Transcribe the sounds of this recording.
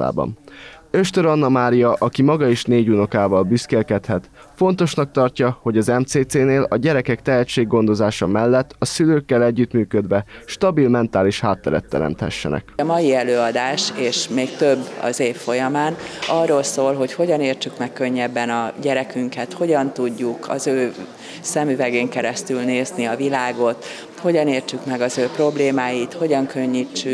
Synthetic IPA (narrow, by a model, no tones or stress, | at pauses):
a̰ːbɒ̰nø̞ʃt̪øɾɒnːɒmaːɾijɒʔɒkimɒɡɒeʃneːɟuno̞kaːvɒlbyskeːlkɛt̪hɛt̪ | fo̞nt̪o̞ʃnɒk̚t̪ɒrcɒho̞ɟɒzɛmt̪seːt̪seːneːlɒɟɛɾɛkɛkt̪ɛɦɛt͡ʃːeːɡːo̞nd̪o̞zaːʃɒmɛlːɛt̪ːɒsyløːkːɛlɛɟːyt̪myːkød̪ʋɛʃt̪ɒbilmɛnt̪aːliʃhaːt̪ːɛɾɛt̪ːɛ̰ɾɛ̰mt̪hɛ̰ʃːɛ̰nʔɛ̰kɒmɒjiɛløːɒd̪aːʃeːʃmeːkt̪ø̞bːɒ̰zeːfːo̞jɒmaːnɒrːoːlsoːlɦo̞cho̞ɟɒneːrt͡ʃykmɛkːø̞ɲːɛbːɛnɒɟɛɾɛkyŋkɛt̪ho̞ɟɒnt̪uɟːukʰɒ̰zøː | sɛmyvɛɡeːŋkɛɾɛst̪ylneːzniɒvilaːɡo̞t̪ | ho̞ɟɒneːrt͡ʃykmɛɡɒzøːpro̞bleːmaːjit̪ho̞ɟɒŋkø̞ɲːit͡ʃːy